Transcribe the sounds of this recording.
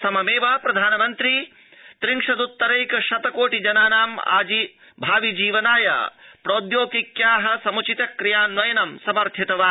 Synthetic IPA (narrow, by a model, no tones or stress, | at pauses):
sɐmɐmeːʋaːpɾɐd̪ʱaːnɐmɐnt̪ɾi | t̪ɾiŋkʂɐd̪ut̪ːɐɾɐjkɐʃɐt̪ɐkoːʈid͡ʒɐnaːnaːma̰ːd͡ʒi | bʱaːʋid͡ʒiːʋɐnaːjɐ̰pɾoːd̪joːkikjaːɦɐ̆sɐmut͡ʃit̪ɐkɾijaːnʋɐjɐnɐmsɐmɐɾt̪ʰjit̪ɐʋaː